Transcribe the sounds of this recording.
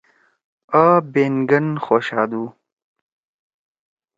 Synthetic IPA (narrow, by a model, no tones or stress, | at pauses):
abeːnɡɐnxoːɕaːd̪uː